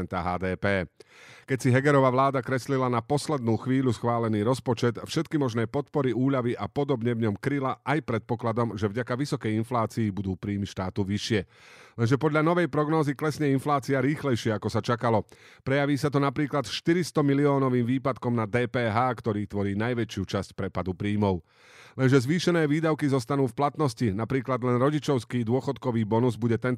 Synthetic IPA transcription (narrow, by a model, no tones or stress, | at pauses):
ɛnt̪aɦaːd̪ɛːpɛːkɛcsiɦɛɡɛɾɔʋaʋlaːd̪akɾɛslilanapɔslɛd̪nuːxʋiːʎusxʋaːlɛniːɾɔspɔt͡ʃɛt̪fʃɛt̪kimɔʒnɛːpɔt̪pɔɾiuːʎaʋiʔapɔd̪ɔbɲɛvɲɔmkɾilaʔajpɾɛt̪̚pɔklad̪ɔmʒɛvɟakaʋisɔkɛjinflaːt͡sijːbud̪uːpɾiːmiʃt̪aːt̪uʋiʃɪɛlɛnʒɛpɔd̪ʎanɔʋɛjpɾɔɡnɔːziklɛsɲɛinflaːt͡siaɾiːxlɛjʃɪɛakɔsat͡ʃakalɔ | pɾɛjaʋiːsat̪ɔnapɾiːklat̪ʃt̪iɾist̪ɔmiliɔːnɔʋiːmʋiːpat̪kɔmnad̪ɛːpɛːɦaːkt̪ɔɾiːt̪ʋɔɾiːnajʋɛt͡ʃɪut͡ʃascpɾɛpad̪upɾiːmɔʊ | lɛnʒɛzʋiːʃɛnɛːʋiːd̪aʊkizɔst̪anuːfplat̪nɔscinapɾiːklad̪lɛnɾɔɟit͡ʃɔʊskiːd̪ʊɔxɔt̪kɔʋiːbɔnuzbuɟɛt̪ɛn